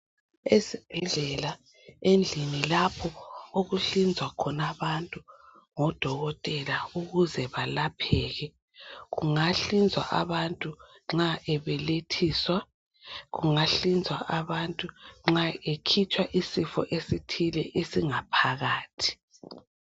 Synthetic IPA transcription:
esib̥ʱɛɮɛla | end͡ɮʱinilapʰɔoɣuɬind͡zʱwakʰɔnaβantʼu | ŋɔd̥ʱɔɣɔtʼɛlauɣuzɛβalapʰɛːɣɛ | ɣuŋaɬind͡zʱwa̰ʔaβantʼu | ŋ͡ǁaʔɛβɛletʰiswa | ɣuŋaɬind͡zʱwaʔaβantʼuŋ͡ǁaekʰit͡ʃʼwaʔisifɔ̰ʔesitʰilɛʔesiŋapʰaɣaːtʰi̥

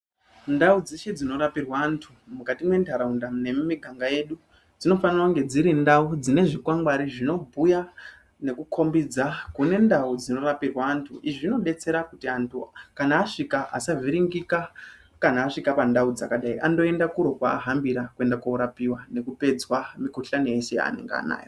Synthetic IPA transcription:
ndaud͡zeʃed͡zino̞ɾapirwaːntʰumukatimwe̞ntʰaɾaundamne̞mumiɡʱaŋɡaje̞ɗu | d͡zino̞fanirwauŋɡe̞d͡ziɾindaud͡zine̞ʐikwaŋɡwaɾiʐino̞bʱuja | ne̞kukʰo̞mbid͡zakune̞ndaud͡zino̞ɾapirwaːntʰuʔiʐino̞ɗe̞t͡se̞ɾakutiantʰukanaːʂikaʔa̰saviɾiŋɡika | kanaːʂikapandaud͡za̰kaɗaiʔando̞e̞ndakuɾo̞kwa̰ːɦambiɾakue̞ndakauɾapiwane̞kupe̞d͡zwamikuɬanijeʃe̞ja̰nḛŋɡḛa̰na̰ːjo

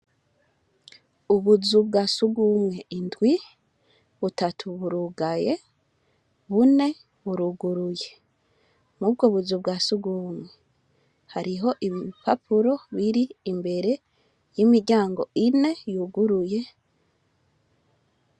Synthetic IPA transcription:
uβuzub̚ɡaːsuɡumwe̞indɡwi | βutatʰuβuɾuɡaje̞ | βune̞ | βuɾuɡuɾuje | mubɡoːβuzub̚ɡaːsuɡumwe̞ | haɾiɦo̞ʔiβiipapuɾo̞βiɾiːmbe̞ɾe | jimiɾɟaːŋɡo̞̰ʔine̞juɡuɾuje̞

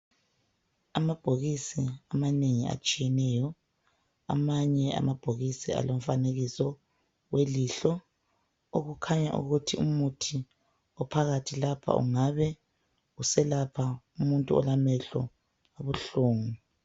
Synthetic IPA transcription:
amab̥ʱoɣisiamaneŋia̰t͡ʃʼijɛnɛjɔ | a̰maɲɛa̰mab̥ʱoɣisia̰lom̩faneɣisɔ | weliɬɔ | oɣukʰaɲa̰ʔṵɣutʰiumutʰi | ɔpʰaɣatʰilapʰa̰ṵŋaβɛ | usɛlapʰa | umuntʼuɔ̰lamɛɬɔ̰ | aβuɬuːŋu

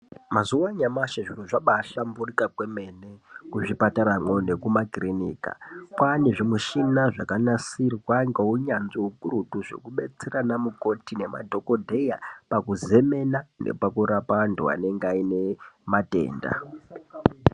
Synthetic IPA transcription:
mazuwaɲamaʃaʐiroʐaɓaɬamburikakweme̞ne̞kuʐipataɾamwonekumakrinḭːka̰pwaneʐimuʃinaʐa̰kanasirwaŋɡeuɲanzoukuɾutuʐo̞̰kuɓe̞t͡seranamuko̞tine̞ma̰dʱo̞ko̞dʱe̞japakuze̞me̞nanḛpakuɾapandua̰ne̞ŋɡeaine̞mate̞̰ːnda̰

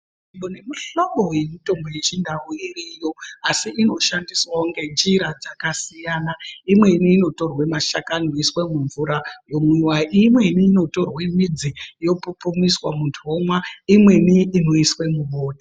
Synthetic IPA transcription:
iɓone̞miɬoɓojemito̞mboje̞t͡ʃindauirijo̞asiʔino̞ʃandiswauŋɡe̞nd͡ʒiɾad͡zakasijanaimwe̞niːno̞to̞rwemaʃakanoiswemuɱvuɾajo̞miwaʔimwe̞niːno̞to̞rwemid͡zijo̞pupumiswamundʰʱomwaimwe̞niːno̞iswemuɓoːdʱa

